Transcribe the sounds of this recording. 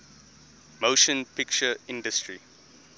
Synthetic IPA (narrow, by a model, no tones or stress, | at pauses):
moʃə̃npɪk̚t͡ʃəɪ̃ndəstɹi